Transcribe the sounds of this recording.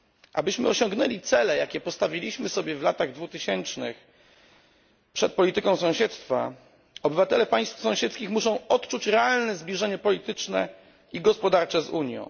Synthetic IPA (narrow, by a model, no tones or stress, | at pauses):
ʔabɘɕmɘ̰ɔɕɔŋɡnɛlʲit̪sɛlɛjakʲɛpɔst̪avʲilʲiɕmɘsɔbʲjɛvlat̪aɣd̪vut̪ɘɕɛnt͡ʂnɘ̰x | pʂɛt̪̚pɔlʲit̪ɘkɔ̃w̃sɔ̃ɕɛt̪st̪fa̰ | ɔbɘvat̪ɛlɛpaj̃st̪fsɔ̃w̃ɕɛt̪skʲixmuʂɔ̃w̃ɔt̪t͡ʂut͡ɕɾɛalnɛzblʲiʐɛɲɛpɔlʲit̪ɘt͡ʂnɛ | iɡɔspɔd̪aɾt͡ʂɛzuɲjɔ̰̃w̃